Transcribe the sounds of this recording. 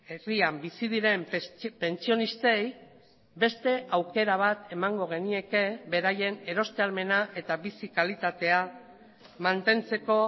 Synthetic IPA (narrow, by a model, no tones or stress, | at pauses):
eriambisiðiɾe̞mpe̞nt͡sio̞nist̪e̞j | be̞st̪e̞ʔawke̞ɾaβ̞at̪e̞maŋɡo̞ɣ̞e̞nie̞ke̞βe̞ɾaje̞ne̞ɾo̞st̪ealme̞naʔe̞t̪aβisikalit̪at̪e̞a | mant̪e̞nt͡se̞ko̞